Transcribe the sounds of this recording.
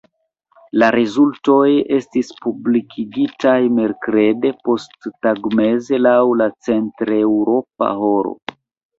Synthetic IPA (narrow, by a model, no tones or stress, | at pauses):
laɾezulto̞je̞stispublikʰiɡitajme̞ɾkɾe̞de̞po̞stːaɡme̞ze̞lawlat͡se̞ntɾewɾo̞p̚a̰ho̞ɾo̰